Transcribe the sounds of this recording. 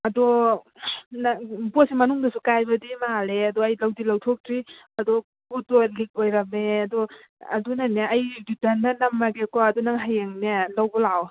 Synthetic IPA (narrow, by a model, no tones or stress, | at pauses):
ɐdɔ | nbɔsimɐnuŋdɐsukajbɐdimaleɐdɔɐjlawdilɐwtʰok̚tɾiɐdɔ | butɔlik̚ojɾɐmeɐdɔ | ɐ̰dunaneʔɐjditandanɐmːaɡekɔɐdunaŋɦajeŋnelawbɔlaw